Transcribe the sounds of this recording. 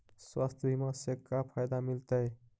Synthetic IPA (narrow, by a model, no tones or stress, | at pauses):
swast̪ʰbʱimãsekːapʰajd̪amilt̪əj